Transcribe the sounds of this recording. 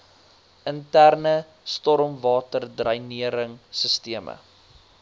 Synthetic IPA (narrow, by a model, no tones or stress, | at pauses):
əntærnə | stɔɾmvɑːtərdrɐjniəɾəŋsəstiəmʔə̰